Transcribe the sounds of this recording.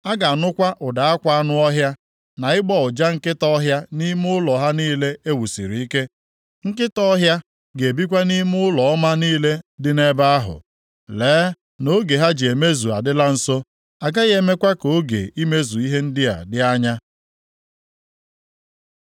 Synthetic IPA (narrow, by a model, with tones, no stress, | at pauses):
a˦ɡa˨a˨nʊ˦kʷa˦ʔʊ˨da˨a˦kʷa˦nʊ˦ɔ˦ɦja˦ | na˨ɪ˦ɡ͡bɔ˦ʊ˨d͡ʒa˦ŋ̩˦kɪ˦tɔ˦ɦja˦ni˦m˦ʊ˦lɔ˨ɦa˦niː˦le˦e˦wu˨sḭ˨ɾi˨i˦ke˦ | ŋ̩˦kɪ˦tɔ˦ɦja˦ | ɡe˨bi˦kʷa˦ni˦mʊ˦lɔ˨ɔ˦ma˦niː˦le˦dɪ˦ne˦ba˦a˦ɦʊ̰˨ | leː˨˦ | no˦ɡe˨ɦa˦d͡ʒe˨me˦zu˨a̰˨dɪ˦la˦n̩˨so˦ | a˨ɡa˦ɣe˦me˦kʷa˦ko˨˦ɡḛ˨i˦me˦zu˨i˦ɦe˦n̩˦dɪ˦a̰˨dɪ˦a˦ɲa˦